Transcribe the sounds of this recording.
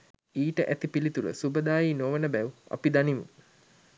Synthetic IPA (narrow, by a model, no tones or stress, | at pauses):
iːʈəʔæt̪ipilit̪ulə̰subəd̪aːjiːnoʋənəbæua̰pid̪animṵ